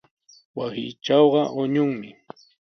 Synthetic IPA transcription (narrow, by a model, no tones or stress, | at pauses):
wasɪ̰ːt͡ʃɑwɢɑʔʊɲʊŋmɪ